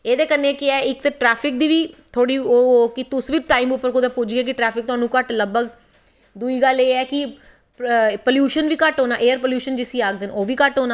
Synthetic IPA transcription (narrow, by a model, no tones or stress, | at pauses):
eːd̪eːkənːeːkɪɛːɪk̚t̪eːʈɾɛːpʰɪk̚d̪iːʋiːt̪ʰoːɽiːoːkɪt̪ʊsʋiːʈaːimʊpːəɾkʊd̪ãːpʊd͡ʒɡɛːk̬ɪʈɾɛːpʰɪk̚t̪ʊɦaːnũːkəʈləɡbəɡ | d̪uiːɡəleːɛːkɪ | poːljuːʃənʋiːkəʈɦoːnaːʔeːəɾpoːljuːʃənd͡ʒɪsĩːaːk̚d̪ɪnoːʋiːkəʈɦoːnaː